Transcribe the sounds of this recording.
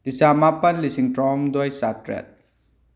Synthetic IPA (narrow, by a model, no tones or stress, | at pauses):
d̥isamapɐnlisiŋtɾamdɔjsatɾḛt̚